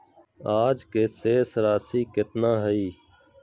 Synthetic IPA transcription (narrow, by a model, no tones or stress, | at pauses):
aːd͡ʒkeːseːsɾaːsiːkɪt̪nãːɦəiː